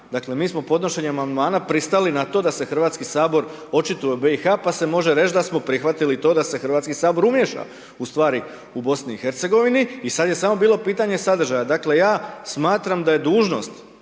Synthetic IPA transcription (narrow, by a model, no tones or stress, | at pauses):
d̪akle̞miːsmo̞po̞d̪no̞ʃe̞ɲeamand̪maːnapɾist̪alinat̪o̞d̪ase̞xr̩ʋaːt̪skisaːbo̞ɾ | o̞t͡ʃit̪ujebe̞ixaːpase̞mo̞ʒe̞ɾe̞t͡ʃd̪asmo̞pɾixʋat̪ilit̪o̞ːd̪ase̞xr̩ʋaːt̪skisaːbo̞ɾumje̞ʃa̰ | ust̪ʋaːɾi | ubo̞sniixe̞ɾt̪se̞ɡo̞ʋiniːsad̪je̞samo̞biːlo̞piːt̪aɲe̞sad̪r̩ʒajad̪akle̞jaːsmaːt̪ɾamd̪aje̞d̪uːʒno̞̰st̪